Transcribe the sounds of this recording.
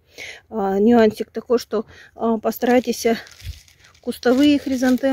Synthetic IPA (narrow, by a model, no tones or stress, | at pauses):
nʲʊanʲsʲɪk̚t̪ɐkojʂt̪o | pɐst̪ɐɾajtʲɪsʲə | kʊst̪ɐvɨjɪxɾʲɪzant̪ɨ